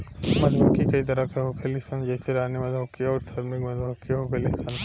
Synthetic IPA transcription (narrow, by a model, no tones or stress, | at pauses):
mɐd̪ʱbokikɐit̪ɐɾakeɦoːkʰelɪst̪and͡ʒɛːseɾaːnimɐd̪ʱokiɔːɾsʰaːɾmɪkmɐd̪bɐkiɦoːkʰelɪst̪ʰan